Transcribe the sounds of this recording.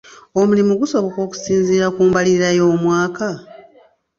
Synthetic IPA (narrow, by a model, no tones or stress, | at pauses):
o̞mulimuɡuso̞βo̞ko̞ːku̥siːnziːɾakuːmbaliɾiɾajo̞ːmwaːka